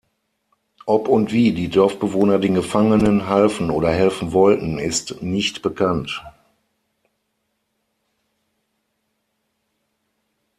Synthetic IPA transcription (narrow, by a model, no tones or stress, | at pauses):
ʔɔpʊntv̥iːdiːdɔɐfb̥əvoːnɐdeːnɡəfaŋənənɦalfn̩oːɾɐhɛlfn̩vɔltn̩ɪstnɪçtb̥əkʰant